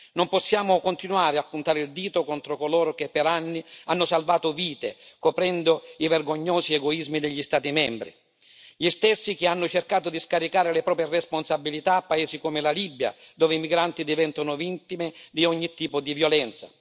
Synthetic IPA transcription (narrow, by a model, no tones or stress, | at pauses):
nompɔsːjaːmʊkʊnt̪inuaːɾɪapːunt̪aːɾɪild̪iːt̪ʊkɔnt̪ɾʊkolɔːɾʊk̟ɪpːɛɾanːianːʊsalvaːt̪ʊviːt̪ḛkɔpɾɛnd̪ʊivɛrɡoɲːɔːziɛɡɔizmid̪eʎːist̪aːt̪imɛmbɾḭ | ʎist̪esːik̟ɪanːʊt͡ʃerkaːt̪ʊd̪iskaɾikaːɾɪlɪpɾɔːp̬jeresponsabilit̪aːpːaeːsikɔmɪlalibːja̰d̪ɔːvɪimiɡɾant̪id̪ivɛnt̪onʊvint̪imed̪iɔɲːit̪ːiːpʊd̪ivjɔlɛnt̪sa̰